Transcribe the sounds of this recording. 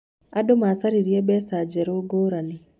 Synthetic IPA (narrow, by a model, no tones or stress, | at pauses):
adomasaɾiɾiɛbɛsad͡ʒɛɾoɡoːɾani